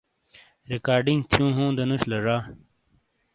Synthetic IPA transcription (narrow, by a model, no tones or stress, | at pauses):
ɾekaːɾɖiŋɡt̪ʰjũːɦũːd̪ɐnuɕlɐʐaː